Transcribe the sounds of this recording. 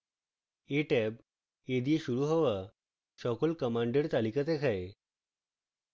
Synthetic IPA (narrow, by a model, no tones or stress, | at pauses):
eʈɛb | ed̪ieɕuɾuɦɔʋa | ɕɔkɔlkəmaɳɖeɽt̪alikat̪ekʰae